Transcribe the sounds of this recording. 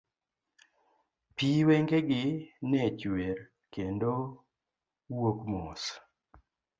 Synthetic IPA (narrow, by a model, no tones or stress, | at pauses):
piwɛŋɡeɡɪnɛt͡ʃwer | kendo | wokmos